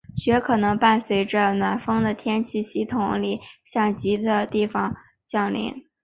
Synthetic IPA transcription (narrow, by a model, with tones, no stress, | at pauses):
ɕɥɛ˧˥kʰɤ˨˩nɤ˧˥ŋpa˥˩nswe˧˥ɪʈ͡ʂə˧nwa˨˩nfɤ˥ŋd̪ə˨t̪ʰjɛ˥nt͡ɕʰi˥˩ɕi˥˩t̪ʰʊ˧˥ŋli˨˩ɕjɑ˥˩ŋt͡ɕi˧˥d̪ə˧t̪i˥˩fɑ˨˩ŋ | t͡ɕjɑ˥˩ŋlḭ˧˥n